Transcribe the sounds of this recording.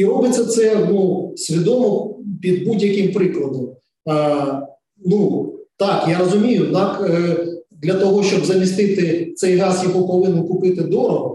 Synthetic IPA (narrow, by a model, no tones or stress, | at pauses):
iɔbɪt͡sʲɐt̪sɛnusʲʋʲid̪ɔmɔpʲid̪̚budʲjɐkɪmpɾɪklˠɐd̪ɔm | nut̪ɑkjaɾɔzʊmʲijʊd̪nɑk | d̪lʲɐt̪ɔɦɔʃt͡ʃɔbzɐmʲist̪ɪt̪ɪt̪sɛjɦɑsjɔɦɔpɔʋɪnɪnkʊpɪt̪ɪd̪ɔɾɔɦɔ